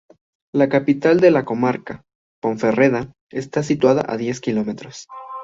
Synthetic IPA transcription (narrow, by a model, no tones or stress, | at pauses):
lakapit̪ald̪e̞lako̞maɾka | po̞ɱfe̞reða | est̪as̬it̪waða̰ʔa̰ðje̞skilo̞me̞t̪ɾos